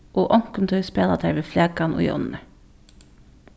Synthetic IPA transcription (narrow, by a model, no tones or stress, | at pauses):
ʔoːʔɔŋkəmt̪ʰœspeːlɑd̪ʰæɪʋeːflæːkɑnʔo̰ːj̰ɔ̰nnə